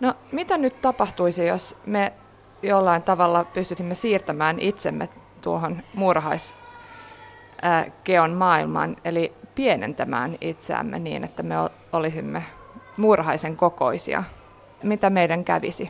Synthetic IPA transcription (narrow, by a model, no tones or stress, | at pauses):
nomit̪ænytt̪ɑpɑht̪uisijosme | jolːɑint̪ɑʋɑlːɑpyst̪ysimːesiːrt̪æmæːnit̪semːḛ | t̪uoɦonmurhɑis | keonmɑːilmɑ̰nelipienḛnt̪æmæ̰ːnit̪sḛæ̰mːḛnḭːnet̪ːæmeo | olisimːe | murhɑiseŋkoko̰isḭɑ̰ | mit̪æmeidæŋkæ̰ʋḭsi